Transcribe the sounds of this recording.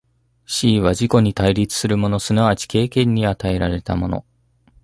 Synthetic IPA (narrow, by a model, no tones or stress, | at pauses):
ɕiːβaʑiko̞ɲ̟it̪aiɾʲit͡sɨ̥sɨɾɯ̟mo̞no̞sɨnaβat͡ɕi̥ke̞ːkẽ̞ɲ̟ːiat̪ae̞ɾaɾe̞t̪a̰mo̞̰no̞̰